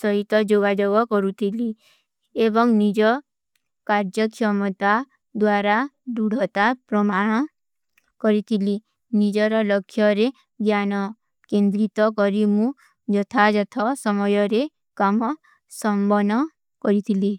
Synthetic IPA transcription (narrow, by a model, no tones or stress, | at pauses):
sɔɦit̪ɔd͡ʒoɡad͡ʒoɡɔkɔɾut̪ʰili | ebɔŋnid͡ʒɔ | kaɾd͡ʒɔkɔmɔt̪a | d̪waɾaɖuɽ̤ʱɔt̪apɾɔmaɽ̃ɔ | kɔɾit̪ʰili | nid͡ʒɔɾɔlɔkʰːjɔɾe | ɡjanɔ | kend̪ɾit̪ɔkɔɾimũ | d͡ʒɔt̪ʰad͡ʒɔt̪ʰɔsɔmɔjɔɾe | kamɔ | sɔmbɔnɔ | kɔɾit̪ʰili